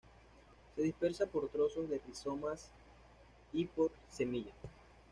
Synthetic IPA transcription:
se̞ðispe̞ɾsapo̞ɾt̪ɾo̞so̞zðe̞piso̞mas | ipo̞ɾ | se̞miʝa

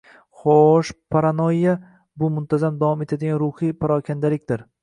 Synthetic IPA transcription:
χoʃpʰaɾanojjːa | bʊmʊnt̪ʰazamd̪avɒme̞t̪ʰad̪ɪɡʲanɾʊhijpʰaɾɒkʲʰand̪alɪk̚ʲd̪ɪɾ

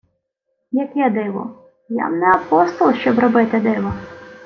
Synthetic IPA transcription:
jɐkɛd̪ɪʋɔ̰ | ja̰mnɛɐpɔst̪ɔlˠʃt͡ʃɔbrɔbɪt̪ɪd̪ɪʋɔ

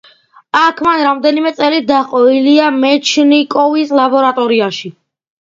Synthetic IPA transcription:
akʰmanɾamd̪ɛnimɛt̪sʼɛlit̪̚d̪aqʼɔiliamɛt͡ʃʰnikʼɔvislabɔɾat̪ʼɔɾiaʃi

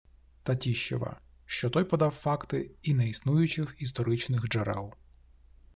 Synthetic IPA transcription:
t̪ɐtʲiʃt͡ʃɛ̰ʋɐ̰ | ʃt͡ʃɔt̪ɔjpɔd̪ɑwfɑkt̪ɪinɛisnujʊt͡ʃɪxist̪ɔɾɪt͡ʃnɪxd͡ʒɛɾɛ̰lˠ

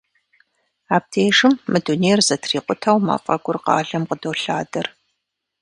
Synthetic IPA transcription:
aːp̚tʰeːʂɨmːɨduneːrzɐtʰriːqʷʼʊtʰɐwma̰fʼɐɡʷʊrqɑ̰ːɮɐmqədoːɬaːdɐr

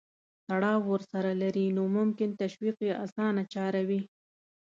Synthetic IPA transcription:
t̪aɽɑwːəɾsaɾalaɾinomʊmkɪnt̪aʃwiqjeʔasɑnat͡ʃɑɾawi

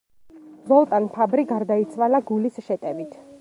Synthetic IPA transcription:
vɔlˠt̪ʼanpʰabɾiɡaɾd̪ait̪sʰwalaɡulisʃɛt̪ʼɛvit̪ʰ

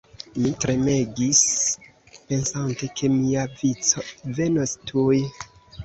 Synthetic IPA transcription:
mitɾe̞me̞ɡis | pe̞nsante̞kʰe̞miavit͡so̞ve̞nostʰuj

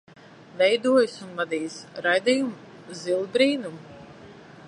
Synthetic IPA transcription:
vɛjd̪uɔjɨsunvad̪iːjsɾajd̪ijum | zilˠbɾiːnum

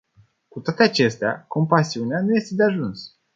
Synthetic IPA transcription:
kut̪oat̪e̞at͡ʃe̞st̪ea̰ko̞mpasiuneanuje̞st̪e̞d̪eaʒuns

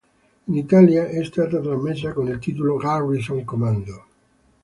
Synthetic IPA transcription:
init̪aljaʔɛst̪aːt̪at̪ɾamːes̬ːakonilt̪iːt̪̬oloɡarisoŋkomand̪o

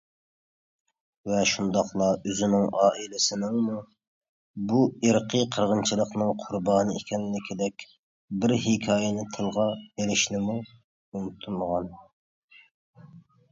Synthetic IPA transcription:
vɛʃund̪ɑχlˠɑøzɪnɪŋɑːʔilɪsɪnɪŋmu | bueɾqʰəqʰəɾʁənt͡ʃʰɨlˠəqnɨŋqʰʊɾbɑːnɨekʲɛnlɪkʲʰid̪ɛkʲ | bɪɾɦɪkʲʰɑːjɛnɪt̪ʰɨlˠʁɑjeɾɪʃnɪmu | umt̪ʰuməʁɑn

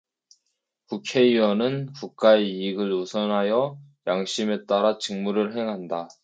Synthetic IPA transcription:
kukʰe̞iwʌnɯnkuk̚k͈aeːɡɯɭusʰʌnɦajʌ | jaŋɕ͈ime̞t͈aɾat͡ɕɯŋmuɾɯɭɦe̞ŋɦanda

